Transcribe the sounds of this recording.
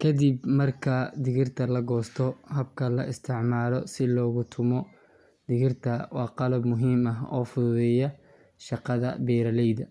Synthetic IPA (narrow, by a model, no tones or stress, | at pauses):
kʰɐd̪ibmɐrkʰɐd̪ɪɣɪrt̪ʰɐlɐɡɔːst̪ʰɔɦɐbkʰɐlɐʔɪst̪ʰɪʕmaːlɔsɪlɔːɣʊt̪ʰʊmɔ | d̪̥ɪɣɪrt̪ʰɐwɑːqɑlɐbmʊɦiːmɐɦɔ̰ːfʊðɛjɐ | ʃɑqɑðɐ̰bɛːɾɐlɛjðɐ